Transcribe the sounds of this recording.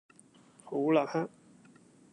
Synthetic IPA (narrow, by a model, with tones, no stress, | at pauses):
ho˨˦wla˨ha˥